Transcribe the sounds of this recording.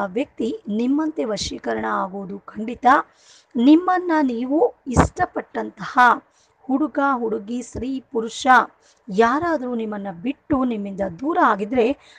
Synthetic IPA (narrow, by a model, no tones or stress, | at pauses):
ʋjɐk̚t̪inimːɐnt̪e̞ʋɐʃiːkɐɾɐɳɐaːɡoʋud̪ukʰɐɳɖit̪ɐ | nimːɐnːɐniːʋuisʈɐpɐʈːɐnt̪ɐhɐ | huɽuɡaɦuɽuɡisɾiːpuɾuʂɐ | jaːɾaːd̪ɐɾuːnimːɐnːɐbiʈːunimːind̪ɐd̪uːɾɐaːɡid̪ɾe̞